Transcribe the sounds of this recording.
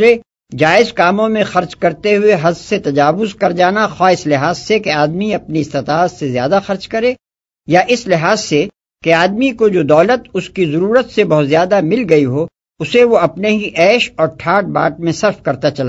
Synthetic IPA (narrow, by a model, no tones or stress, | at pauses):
ɾe | d͡ʒaːɪzkaːmõmẽxɐɾt͡ʃkɐɾt̪eɦʊeɦɐzset̪ɐd͡ʒaːʋʊzkɐɾd͡ʒaːnaxaːɪslɪɦaːzsekeaːd̪miɐpniɪst̪ɪt̪aːzsezjaːd̪axɐɾt͡ʃkɐɾeː | jaʔɪslɪɦaːzse | keaːd̪mikod͡ʒoːd̪ɔːlət̪ʊskizɐɾuːɾət̪sebɐɦʊt̪zjaːd̪amɪlɡɐiɦo | ʊseʋoɐpneɦiʔɛːʃɔːɾʈʰaːʈ̚ba̰ːʈ̚mẽsɐɾfkɐɾt̪at͡ʃɐlaː